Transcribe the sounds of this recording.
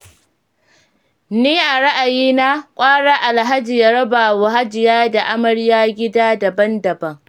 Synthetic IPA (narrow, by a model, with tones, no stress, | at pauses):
niː˦ʔa˨ɽa˦ʔa˨jiː˦na˦kʷʼaː˦ɽaː˦ʔa˨lɦa˦d͡ʒɪ˨ja˨ɽɐ˦ba˨wʊ˨ɦa˦d͡ʒɪ˨jaː˦da˨ʔa˦mɐ˨ɽjaː˦ɡʲɪ˦daː˦dɐ˨bɐ˦ndɐ˨bɐ˦ŋ